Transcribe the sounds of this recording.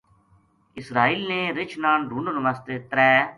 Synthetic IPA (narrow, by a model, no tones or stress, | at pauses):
ɪsɾaːiːlnẽːɾɪt͡ʃʰnãːɳɾuːnoːnəməst̪eːt̪ɾɛː